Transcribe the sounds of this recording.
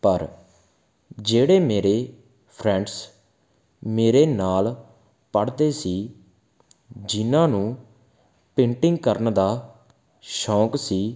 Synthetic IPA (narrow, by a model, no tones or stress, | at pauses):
pəɾ | d͡ʒeːɽeːmeːɾeː | pʰɾɛ̃ːɳɖs | meːɾeːnaːl | pəɽd̪eːsiː | d͡ʒɪnãːnũː | pẽːɳʈɪ̃ŋɡkəɾənd̪aː | ʃɔːksiː